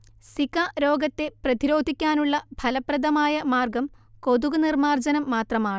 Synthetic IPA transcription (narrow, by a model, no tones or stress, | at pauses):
sikaɾo̞ːɡɐt̪ːe̞prɐd̪iɾo̞ːd̪ʱikʲːaːnuɭːɐbʱɐlɐprɐd̪ɐmaːjɐmaːrɡɐm | ko̞d̪uɣɐnirmaːrd͡ʑɐnɐmːaːt̪rɐmaːɳ